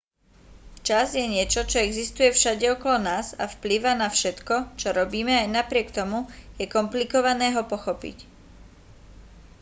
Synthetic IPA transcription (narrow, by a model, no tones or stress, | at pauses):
ft͡ʃazjɛɲɪɛt͡ʃɔt͡ʃɔɛɡzist̪ujɛfʃaɟɛɔkɔlɔnaːzafpliʋanafʃɛt̪kɔt͡ʃɔɾɔbiːmɛajnapɾɪɛkt̪ɔmujɛkɔmplikɔʋanɛːɦɔpɔxɔpḭc